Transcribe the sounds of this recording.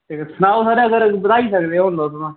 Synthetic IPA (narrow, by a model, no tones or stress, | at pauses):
t̪esənaːosaːɾãɡəɾbət̪aːisəkd̪eɦõːnd̪ot̪ʊmãː